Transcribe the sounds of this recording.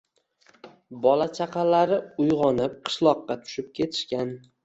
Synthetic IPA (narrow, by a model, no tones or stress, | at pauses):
bɒlat͡ʃʰaqʰɑlaɾɪʊjʁɒnɪp̚qʰɨ̥ʃlˠɒqːɑt̪ʰʊ̥ʃɪp̚kʲʰe̞t̪ʰɪ̥ʃkʲan